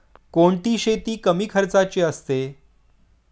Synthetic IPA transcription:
koɳʈiːɕet̪iːkəmiːkʰəɾt͡sat͡ɕeəst̪e

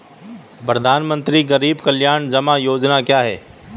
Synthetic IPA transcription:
pɾəd̪ʱaːnmə̃nt̪ɾiɣɐɾiːbkɐljaːnd͡ʒɐmãjoːd͡ʒnakjaːɦɛː

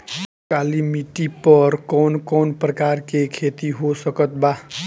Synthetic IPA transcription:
kaːlimiʈipəɾkɔːnkɔːnpɾəkaːɾkekʰeːt̪iɦosəkət̪̚baː

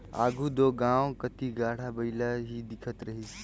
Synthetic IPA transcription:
a̰ːɡʱud̪oːɡãːwkɐt̪iɡaːɽ̤abɐɪlaɦid̪ɪkʰət̪ɾɐɦiːs

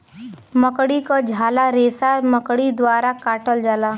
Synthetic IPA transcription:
məkɽikod͡ʒʱaːlaɾeːsaməkɽid̪waːɾakaːʈəld͡ʒaːlaː

